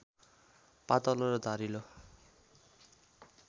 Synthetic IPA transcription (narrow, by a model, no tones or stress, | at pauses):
pat̪ʌloɾʌd̪ʱaɾilo